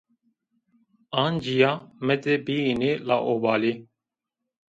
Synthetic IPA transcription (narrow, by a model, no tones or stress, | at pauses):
aːnd͡ʒijaːmet̪ebiːiːneːla̰ːʔoːbaːli